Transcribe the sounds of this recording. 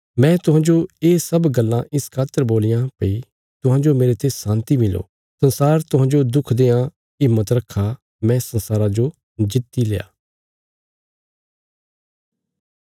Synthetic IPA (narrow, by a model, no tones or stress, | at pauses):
mɛ̃t̪ʊɦãːd͡ʒoeːsɐbɡəlːãʔɪskʰaːt̪əɾboːlɪjãpɐi | t̪ʊɦãːd͡ʒomeːɾet̪ʰesãːnt̪imɪlo̰ː | sɐ̃nsaːɾt̪ʊɦãːd͡ʒod̪ʊkʰd̪eːã | ɪmːət̪ɾɐkʰːa | mɛ̃sɐ̃nsaːɾad͡ʒo | d͡ʒɪt̪ːileːa̰ː